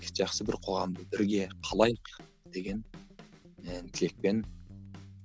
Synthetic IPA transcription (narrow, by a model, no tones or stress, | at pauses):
ʒɑχsəbɪ̰ɾqʰo̞ʁɑmd̪əbɪɾɡʲe̞qʰɑlˠɑjq | d̪̥e̞ɡʲe̞n | t̪ʰɪle̞k̚pe̞n